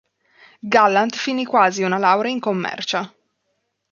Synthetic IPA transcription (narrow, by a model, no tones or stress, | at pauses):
ɡalːant̪finikwaːziunalawɾeiŋkomːɛ̰rt͡ʃa